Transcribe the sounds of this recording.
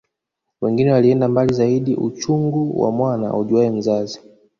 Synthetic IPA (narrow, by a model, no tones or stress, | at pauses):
wɛŋɡinɛwaliɛndambalizaiɗiʔṵt͡ʃuŋɡuwa̰mwana̰uʄuaɛm̩zazi